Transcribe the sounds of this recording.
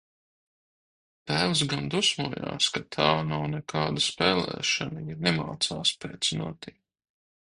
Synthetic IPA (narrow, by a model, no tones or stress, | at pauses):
t̪æːlsɡand̪usmuɔja̰ːskat̪ʰaːnawnɛkʰaːd̪aspɛːlɛ̰ːʃanaiɾnɛmaːt̪saːspeːt̪snuɔt̪i